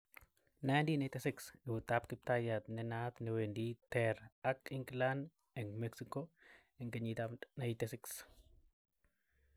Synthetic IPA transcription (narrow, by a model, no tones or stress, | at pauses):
najndinajt̪ɛsɪksɛwut̪ap̚kɪp̚t̪ajat̪nɛnat̪nɛwenditɛɾakiŋɡland | ɛŋɡmɛksiko | ɛŋɡeɲit̪anajt̪ɛsɪks